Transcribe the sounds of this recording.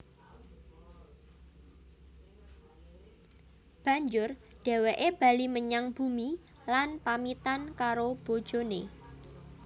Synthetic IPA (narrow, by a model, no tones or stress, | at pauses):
b̥a̤ɲd͡ʒʊrɖ̥e̤weʔeb̥a̤liməɲaŋb̥umi | lanpamit̪ankaɾob̥o̤d̥ʒ̥o̤ne